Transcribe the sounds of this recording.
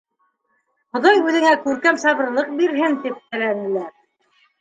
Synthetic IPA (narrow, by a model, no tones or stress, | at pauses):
χŏðɑjʉðɘ̆ŋækʉɾkæmsɑβɤ̆ɾlˠɤq̚biɾɦɘnt̪ip̚t̪æ̆lænɘ̆læɾ